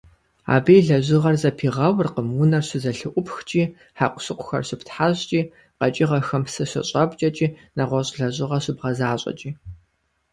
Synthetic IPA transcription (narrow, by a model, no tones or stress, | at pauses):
a̰ːbijɮɐʑɪʁɐrzɐpʰiːʁɐwrqəmwʊnɐrɕɪzɐɬɨʔʷʊpxt͡ʃʼiː | ħaqʷɕɨqʷʊ̥xɐ̰rɕɪptħaːʑt͡ʃʼiː | qɐt͡ʃʼiʁɐxɐmpsɐɕɐ̰ɕʼɐbt͡ʃʼɐt͡ʃʼiːnɐʁʷɔɕʼɮɐʑɪʁɐɕɪbʁɐzaːɕʼɐ̰t͡ʃʼiː